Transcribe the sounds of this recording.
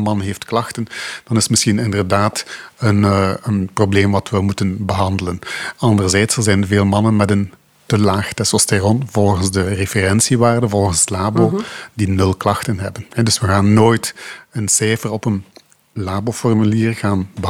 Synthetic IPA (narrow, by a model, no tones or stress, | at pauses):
mɑnɦeːftklɑxtənd̥ɑnɪsmɪsxinɪndərdaːtənənprobleːmʋɑtʋəmutənbəɦɑndələnɑndərzɛːtsəlzɛjnveːlˠmɑnənmɛdən | təlaːxtɛsɔsterɔnvɔlˠɣənzdərefərɛnsiʋaːrdəvɔlˠɣənzdəlaːboːdinɵlˠklɑxtənɦɛbənɦɛdɵsʋəɣaːnːoːjtənsɛjfərɔpən | laːboːfɔrmyliːrɣaːnbə